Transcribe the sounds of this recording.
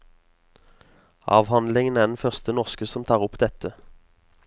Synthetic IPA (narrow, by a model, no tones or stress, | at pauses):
ɑ̰ːʋhɑnd̪lɪŋənæːʁd̪ɛnfœʁst̪ənɔʁskəsɔmt̪ʰɑːʁʊpd̪ɛt̪ʰə